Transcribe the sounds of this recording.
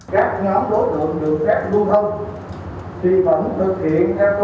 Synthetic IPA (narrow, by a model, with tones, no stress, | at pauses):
kaː˦˥k̚ɲɔ˨˦mɗo˨˦jt̪ɨ̰˧˨əŋɗɨ˨˩ək̚xaː˦˥k̚ɗu˧ət̪ə˧w | t̪ʰi˨˩və̰˧˥nt̪ʰɨ˨˩k̚hḭ˧˨ənt̪ʰɛ˧wt̪